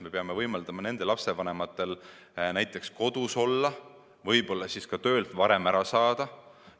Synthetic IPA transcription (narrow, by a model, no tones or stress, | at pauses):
me̞peɑme̞vɤjmɑld̪̥ɑmɑne̞nd̪elɑpse̞vɑnemɑt̪ːˑe̞l | næjt̪ˑːe̞ksko̞d̪̥uso̞lːɑ | vɤjbo̞lːɑsiskɑt̪ø̞ːlt̪vɑɾe̞mæɾɑsɑːd̪̥ɑ